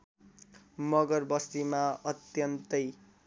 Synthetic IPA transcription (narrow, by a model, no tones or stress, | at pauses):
mʌɡʌrbʌst̪imaʌt̪jʌnt̪ʌj